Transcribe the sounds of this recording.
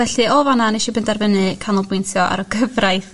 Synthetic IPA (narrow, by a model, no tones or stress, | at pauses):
ɛɬɨɔvananeʃɔbɪndarvənɨkʰanɔlˠbʊjntʰjɔʔa̰ɾɔɡəvrajθ